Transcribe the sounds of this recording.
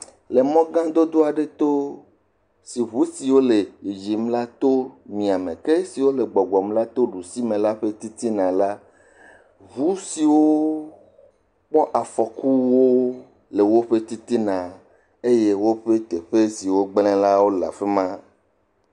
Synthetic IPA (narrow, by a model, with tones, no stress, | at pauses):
le˨mɔ̃˦ɡã˦d̪o˦d̪o˦a˨ɖe˦t̪o˦ | si˨βu˦si˨wo˦le˨d͡ʒi˨mla˦t̪o˦mĩ˨a˨mẽ˨ke˦si˨wo˦le˨ɡ͡bɔ˨ɡ͡bɔ˨mla˦t̪o˦ɖu˨si˦mẽ˨la˦ɸe˦t̪i˦t̪i˦nã˨la˦ | βu˦si˨wo˦ | k͡pɔ˦ʔa˨fɔ˨ku˦wo˦ | le˨wo˦ɸe˦t̪i˦t̪i˦nã˨ | e˦je˦wo˦ɸe˦t̪e˨ɸe˦si˨wo˦ɡ͡blɛ̃˦la˦wo˦la̰˨ɸe˦mã˦